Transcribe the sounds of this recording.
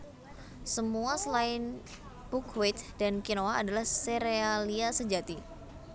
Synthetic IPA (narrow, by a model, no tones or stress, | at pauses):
səmuasəlaɪn | bukʰwet̪dankinoaːdalahseɾealiasəd͡ʒat̪i